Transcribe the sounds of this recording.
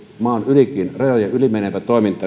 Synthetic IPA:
mɑːnylikˑinrɑjɑjɑylimeneʋæt̪toˑemint̪ˑɑːˑ

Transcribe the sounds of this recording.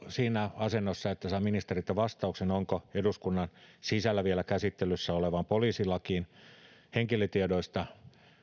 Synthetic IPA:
siːnæɑsenːosːɑet̪ːæsɑiminist̪erit̪ːæʋɑst̪ɑuksenoŋkoeduskunːɑnsisælːæʋielækæsit̪ːelysːæoleʋɑmpoliːsilːɑkiːnheŋkilet̪iedoist̪ɑ

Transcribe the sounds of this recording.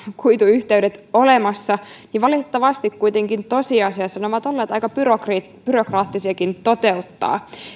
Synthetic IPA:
kujt̪uyçt̪eydet̪o̞lemɑsːɑniʋɑlitet̪ːɑʋɑst̪ikkːujt̪eŋkint̪o̞siɑsiɑsɑnoʋɑt̪o̞lːeːt̪ɑjkɑpyrokri | b̥yɾokrɑːt̪ːisiɑkint̪ot̪eut̪ːɑ̰ː

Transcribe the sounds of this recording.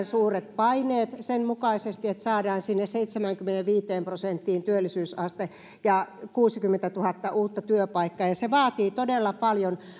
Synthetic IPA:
nsuːret̪̚pɑineːt̪senmukɑisest̪iet̪sɑːdɑːnsinːesseit̪semæŋkymːĕneʋʋiːt̪eːmprosent̪ːiːnt̪yølːˑisyːsɑst̪e | jɑkuːsikymːent̪æt̪uhɑt̪ːɑʔuːt̪ːɑt̪yøpɑikːɑːjɑseʋɑːt̪iːt̪odelːɑpɑljon

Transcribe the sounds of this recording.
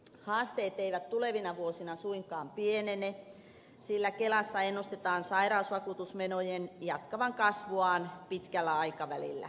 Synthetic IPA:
hɑːst̪eːt̪eiʋæt̪t̪uleʋinɑʋuosinɑsuiŋkˑɑːmpienene | silːækelɑsːɑenːust̪et̪ɑːnsɑirɑusʋɑkut̪usmenojenjɑt̪kɑʋɑŋkɑsʋuɑːnpit̪kælːæɑikɑʋælḭlːæ̰

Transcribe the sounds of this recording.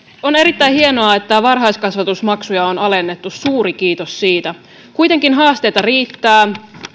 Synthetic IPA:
o̞ne̞ɾit̪ːæjhienoɑet̪ːæʋɑrɦɑjskɑsʋɑt̪usmɑksujɑonɑlenːe̞t̪ːussuːɾikiːt̪ossiːt̪æ | kujt̪e̞ŋkinɦɑːst̪e̞jt̪ɑriːt̪ːæː

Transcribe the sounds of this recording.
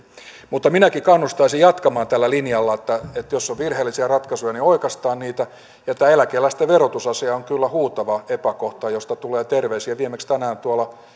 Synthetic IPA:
mut̪ːɑminækikɑnːust̪ɑisijɑt̪kɑmɑːnt̪ælːælinjɑlːɑet̪ːæet̪josːoʋʋirheːlːisiɑrɑt̪kɑsujɑnioikɑst̪ɑːnniːt̪æ | jɑet̪ːæelækeːlːæst̪eʋerot̪usɑsiɑoŋkylːæhuːt̪ɑʋɑepækoht̪ɑjost̪ɑt̪uleːt̪erʋeisiæʋiemekst̪ænæːnt̪uɑlɑ

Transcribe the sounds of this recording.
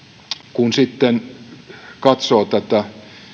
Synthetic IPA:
kunsit̪ːen | kɑt̪soːt̪æt̪æ

